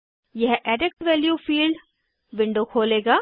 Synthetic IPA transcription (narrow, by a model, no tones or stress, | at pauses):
jɛɦɛːɖɪk̚ʈʋɛːljuːfiːlɖ | ʋɪ̃ɳɖokʰoːleːɡaː